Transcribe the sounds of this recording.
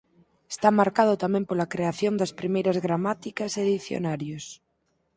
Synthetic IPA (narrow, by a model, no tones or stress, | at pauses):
e̥st̪amaɾkaðot̪amẽmpolakɾeaθjond̪aspɾimejɾazɣɾamat̪ikaseðiθjo̰naɾjos